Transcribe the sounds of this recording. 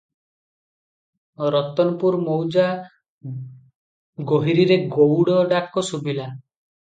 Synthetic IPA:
ɾɔt̪ɔnɔpuɾmowd͡ʒa | ɡoɦiɾiɾeɡowɽɔɖakɔsubila

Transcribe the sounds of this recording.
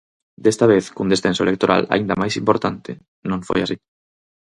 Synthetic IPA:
d̪est̪aβeθkund̪esθensoelekt̪oɾa̰la̰ind̪ɐmajsimpoɾt̪ant̪ɪ | nõɱfo̰jasi

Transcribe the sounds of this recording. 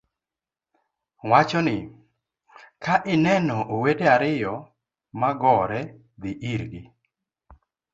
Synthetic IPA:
wat͡ʃɔnɪ | kaʔɪnɛnɔʔowedeaɾɪjɔ | maɡɔɾɛ | d̪ɪʔiɾɡɪ

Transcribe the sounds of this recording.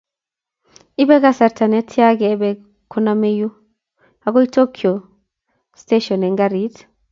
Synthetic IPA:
ʔɪbɛɡɐsɐɾt̪ʰɐnɛt̪ʰːɪjaɡɛːbɛ | kʰːɔnamɛjʊ | haɡɔjt̪okʰːɪɔ | st̪eʃɔnɛŋɡɐɾit̪

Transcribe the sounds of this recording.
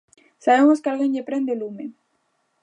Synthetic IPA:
saβemoskealɣenʎepɾend̪elume

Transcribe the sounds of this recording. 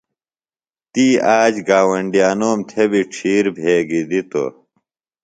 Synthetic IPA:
t̪iːaːd͡ʑɡaːwɐɳɖijaːnoːmt̪ʰebiʈ͡ʂʰiːɾbʱeːɡid̪it̪o̰

